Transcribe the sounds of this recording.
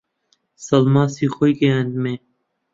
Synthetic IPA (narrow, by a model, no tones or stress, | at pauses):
sɐlmãːsiːxojkeɐ̃nd̪me